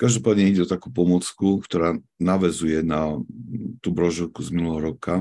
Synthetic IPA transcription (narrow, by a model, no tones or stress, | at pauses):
kaʒd̪ɔpaːd̪ɲɛiɟɛɔt̪akuːpɔmɔt͡skukt̪ɔɾaːnaʋɛzujɛna | t̪ubɾɔʒɔʊkuzminulɛɦɔɾɔka